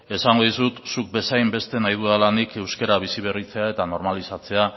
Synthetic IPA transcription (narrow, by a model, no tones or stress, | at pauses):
e̞saŋɡo̞ðisut̪suk̚be̞sajmbe̞st̪e̞najðuðalanike̞wske̞ɾaβ̞isiβ̞e̞rit͡se̞ae̞t̪ano̞ɾmalisat͡se̞a